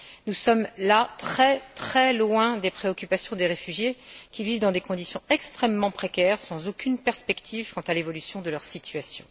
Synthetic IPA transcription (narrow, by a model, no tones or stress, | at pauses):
nusɔmlat̪χɛt̪χɛlwɛ̃d̪epχeɔkʲypasjɔ̃d̪eʁefyʒjekʲivivd̪ɑ̃d̪ekɔ̃d̪isjɔ̃ɛkst̪χɛmːɑ̃pχekʲɛʁsɑ̃zokʲynpɛʁspɛkt̪ʰivkɑ̃t̪alevɔlysjɔ̃d̪əlœʁsit̪ʰɥasjɔ̰̃